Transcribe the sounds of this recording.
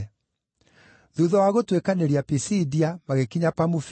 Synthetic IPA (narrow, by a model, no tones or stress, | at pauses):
ðuðɔwaɣotwekaneɾiapisidiamaɣekiɲapamuf